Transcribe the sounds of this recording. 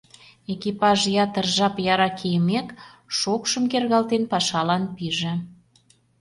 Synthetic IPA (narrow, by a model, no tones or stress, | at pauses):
ekipɑʒjɑt̪ərʒɑpjɑɾɑkʰejəmekʃokʃəmkerɣɑlt̪enpɑʃɑlɑnpiʒĕ